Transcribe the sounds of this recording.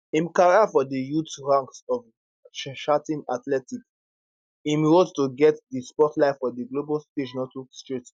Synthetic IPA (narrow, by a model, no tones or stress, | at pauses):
ĩmkaɹafɔdijutɹãŋksɔv | ʃʃatĩnatlɛtik | ĩmɹodtuɡɛtdispɔtlaɪffɔdiɡlobɔlsted͡ʒnɔtustɹit